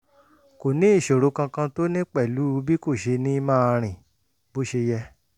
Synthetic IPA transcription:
ko˨nĩ˦i˦˨ʃo˨ɾo˨˦kã˧kã˧to˦nĩ˦k͡pɛ˦˨lu˨˦˧bi˦ko˦˨ʃe˧nĩ˦mãː˦ɾ̃ĩ˨ | bo˦ʃe˧jɛ˧

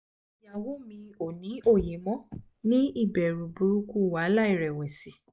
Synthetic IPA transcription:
ja˨wo˦mĩ˧o˨nĩ˨˦o˦˨je˨˦mɔ̃˦ | nĩ˦i˦˨bɛ˨ɾu˨bu˨ɾu˦ku˦˨wa˨˦la˦i˦˨ɾɛ˨wɛ˨si˨˦

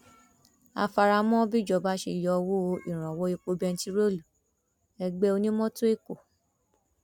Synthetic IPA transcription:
a̰˧fa˧ɾa˧mɔ̃˦bi˦d͡ʒɔ˧˨ba˦ʃe˧˨jɔ˧wo˦˧˦ḭ˦˨ɾ̃ã˨wɔ˦i˧k͡po˧bɛ˧n̩˦ti˦ɾo˦lu˨ | ɛ˧ɡ͡be˧˦o˧nĩ˦mɔ̃˦to˦e˦˨ko˨

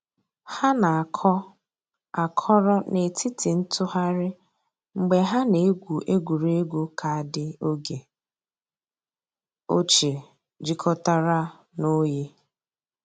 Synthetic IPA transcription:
ha˦na˨a˨kʰɔ˦ | a˨kʰɔ˦ɾɔ˦ne˨tʰi˦tɪ˨n̩˦tʊ˦ɦa˦ɾɪ˦ | ŋ͡m̩˨ɡ͡be˨ɦa˦ne˨e˦ɡʷu˨ʔe˦ɡʷu˨ɾe˦ɡʷu˦kʰa˨a˨dɪ˦o˦ɡe˨ | o˦t͡ʃe˨ | d͡ʒi˦kʰɔ˦ta˦ɾa˦ | no˦je˦

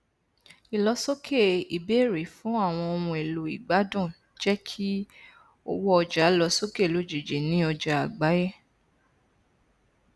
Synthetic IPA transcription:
i˨lɔ˧˦so˦kʰe˦˨i˨be˨˦˨ɾe˨˦fũ˨˦a˦˨w̃ɔ̃˧õ˧ũ˧e˨lo˨˦i˨ɡ͡ba˨˦dũ˦˨ | d͡ʒɛ˦kʰi˦ | o̰˧wɔ˦ɔ˧d͡ʒa˨˦lɔ˧˦so˦ke˦˨lo˨˦d͡ʒe˨d͡ʒe˨nĩ˦ɔ˧d͡ʒa˨a˨ɡ͡ba˨˦je˦˨

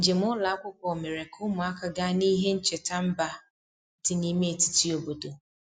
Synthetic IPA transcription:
n̩˨d͡ʒe˨mʊ˦la˨a˦kʷʊ˦kʷɔ˨me˨ɾe˨kʰʊ˦mʊ˨a˦ka˨ɡa˦ni˦ɦe˦n̩˦t͡ʃe˨ta˦m̩˦ba˦ | n̩˦tɪ˦ni˦me˦e˨ti̥˨ti˦o˨bo˨do˨

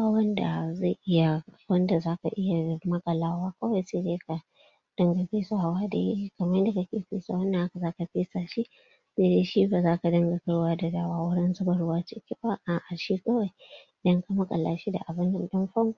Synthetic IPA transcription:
aː˦wɐ˦nda̰˨za˦˨jʔɪ˦ja˨wɐ˦nda˨zaː˦ka̰˨ʔɪ˦ja˨mɐ˦kʼɐ˨laː˦waː˦kɐ˦wa˦˨jse˦deː˦ka˨ | d̥ɐ˦ŋɡa˨ɸiː˦sa˦ha˨waː˦da̰˨ji˦kɐ˨mɐ˦jda˨ka˦kʲeː˨ɸḭː˦saː˨wɐ˦ndɐ˨ʔa˦ka˨zaː˦ka˨ɸiː˦saː˨ʃi˦ | seː˦˨deː˦ʃi˦ba˨zaː˦ka˨dɐ˦ŋɡa˨kɐ˦ɽwaː˦da˨daː˦waː˦wʊ˦ɽɪ˦nsʊ˦bɐ˨ɽʊ˦waː˦t͡ʃɪ˦kʲi˦ba˦ʔa˨ʔa˨ʃi˦kɐ˦wa˨jɪ˨dɐ˦ŋka˨mɐ˦kʼɐ̰˨laː˨ʃi˦da̰˨ʔa˨bɪ˦nːɐ˨nɗɐ˦mɸɐ˦ŋɡʷ

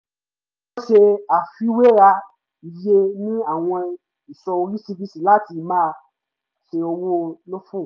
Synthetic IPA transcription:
wo˦ʃe˧a˨fi˦we˦ɾa˧ | i˨je˦nĩ˦a˦˨w̃ɔ̃˧ | i˨sɔ˧o˧ɾi˦si˦˧bi˦si˦˨la˦ti˧mãː˦˧ | ʃe˧o˧wo˦˧lo˦fũ˦˨

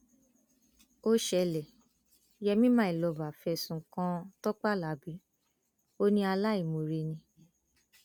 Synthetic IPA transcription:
o˦ʃɛ˧lɛ˨ | jɛ˧mĩ˦mã˦i˨lɔ˧˨ba˨fɛ˧˨sũ˧˨˦kã˦tɔ˦k͡pa˦˨la˨˦bi˨˦ | o˦nĩ˦a˧la˦i˦˨mo˨ɾe˧nĩ˧

